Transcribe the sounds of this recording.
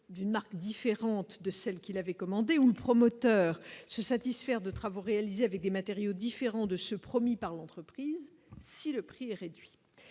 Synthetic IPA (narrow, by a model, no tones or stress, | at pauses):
d̪ynmaʁkd̪ifeʁɑ̃t̪d̪əsɛlkʲilavɛkɔmɑ̃d̪euləpχɔmɔt̪œːʁsəsat̪isfɛʁd̪ət̪χavoʁealizeavɛk̚d̪emat̪eʁjod̪ifeʁɑ̃d̪əsəpχɔmipaʁlɑ̃t̪χəpχiːz | siləpχiɛʁed̪ɥi